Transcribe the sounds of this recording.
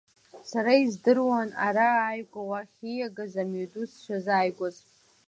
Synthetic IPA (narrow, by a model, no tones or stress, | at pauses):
saɾaizdɨrwana̰ɾaːjɡʷʼawaχʲijaɡazamudusʃʷʰazaːjɡʷazʼ